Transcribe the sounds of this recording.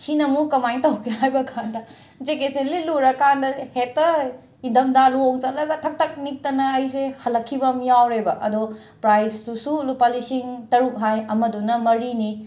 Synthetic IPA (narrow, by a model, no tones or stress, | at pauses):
sinɐmukɐmajntɐwkʰeɦajbɐkʰandɐ | d͡ʒekeseliluɾɐkʰandɐhetːɐ | idɐmdaluoŋt͡ʃalɐɡɐtʰɐk̚tɐk̚nik̚tɐnɐːjs̬ehɐlɐkʰːibɐmijawɾebɐʔɐdo | pɾajsdusulupalisiŋtɐɾuk̚ɦajɐmɐdunɐmɐɾini